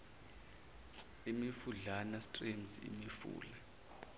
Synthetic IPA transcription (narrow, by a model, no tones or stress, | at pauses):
imifuɮanastʼrimzḭmifṵːla